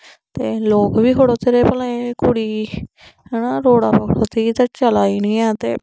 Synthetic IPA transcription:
t̪eːloːkʋiːkʰoɽoːt̪eːɾeːpəlẽːkʊɽiː | ɦɛːnaːɾoːɽaːpəkʰɽoːt̪eit̪at͡ʃəlaːiːnĩːɛːt̪ḛː

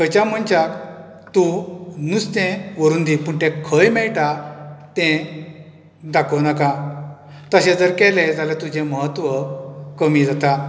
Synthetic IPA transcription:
kət͡ɕam̤əɳt͡ɕak | t̪unust̪ɛ̃ʋəɾund̪ipuɳt̪ɛ̃kʰəjmɛɭʈat̪ɛ̃ | d̪akʰəwnaka | t̪əɕẽd͡zəɾkɛled͡zalet̪ud͡ʑʱẽməɦət̪ʋəkəmiːd͡zat̪a

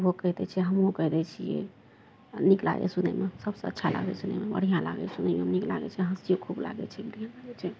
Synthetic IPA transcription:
ɦokəɦd̪ɛt͡ʃʰiɛɦəmɦokəɦd̪ɛt͡ʃʰijɛ̰ | nikla̰jḛsunḛmesəbsə̰̃ətːʃʰala̰ɡɛsunemebə̰ɽ̤ijãla̰ɡɛ̰sunɛmeɦmnikla̰ɡɛ̰t͡ʃʰiɦəsijokʰubla̰ɡɛ̰t͡ʃʰɛbəɽijãlaɡɛt͡ʃʰɛ

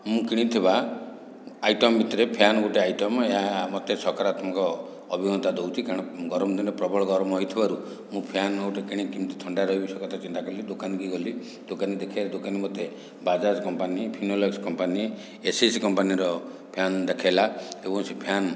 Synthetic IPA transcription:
mũkiɽ̃it̪ʰiba | ajʈɔmbʱit̪ɔɾepʰjanɔɡoʈeajʈɔmeɦamɔt̪esɔkaɾat̪mɔkɔː | bʱimɔnt̪ad̪owt̪ʰikaɽ̃ɔɡɔɾɔmɔd̪ʱinɔpɾɔbɔɭɔɡɔɾɔmɔɦɔjt̪ʰibaɾu | mũpʰjanɡoʈekiɽ̃ĩkimt̪ut̪ʰɔɳɖaɾɔɦibisɔkɔt̪ʰat͡ʃint̪akɔɾlid̪okanɡiɡɔli | d̪okanid̪ekʰejɾed̪okanimɔt̪e | bad͡ʒad͡ʒkɔmpanipʰinolekskɔmpani | esiskɔmpaniɾɔ | pʰjand̪ekʰajlaebɔ̃ŋsepʰjan

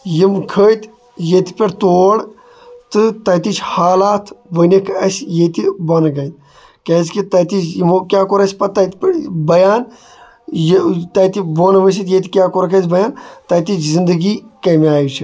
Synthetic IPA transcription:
jimkʰəːt̪ | jet̪i̥pʲeɾt̪oːɽ | t̪ɨt̪ɐt̪it͡ʃʰhaːlaːt̪ʰʋənikʰɐsjet̪ibɐnɐɡɐjt̪ | kɐzkit̪ɐt̪it͡ʃjimokʲjaːkoɾɐsʲpɐt̪ɐt̪ipeɾbɐjaːn | jt̪ɐt̪iboːnɐʋɐsit̪jet̪ʲikʲjaːkoɾɐkʰɐsbɐjaːnt̪ɐt̪it͡ʃʰzind̪əɡikɐmiaːjut͡ʃʰi

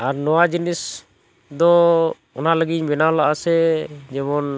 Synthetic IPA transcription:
aɾnɔwad͡ʒinis | d̪ɔ | ɔnaləɡiɲbɛnaɔlaʔasɛd͡ʒɛmɔn

